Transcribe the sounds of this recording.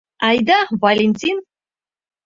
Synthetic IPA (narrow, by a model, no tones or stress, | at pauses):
ɑjd̪ɑvɐlʲenʲtʲin